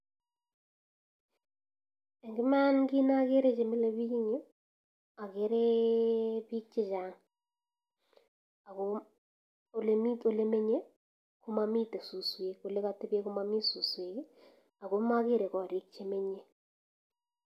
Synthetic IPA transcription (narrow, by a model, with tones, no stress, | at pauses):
ɛ˨ŋɡɪ˦ma˦nɡi˦na˦ke˦ɾe˦t͡ʃe˨mi˦le˦βi˦i˦ɲe˦ | a˨ke˦ɾe˦ | pi˦k̚t͡ʃe˦t͡ʃa˦ŋ | a˨ko | o˨le˦mi˦to˦˨le˦me˦ɲe˦ | kʊ˦ma˦mi˦te˨su˨swe˨ko˨le˦ka˦te˦be˦ko˦ma˦mi˦su˨swe˨ke˦ | a˨ɣo˦ma˦ke˦ɾe˨kɔ˨ɾi˦k̚t͡ʃe˨me˦ɲe˦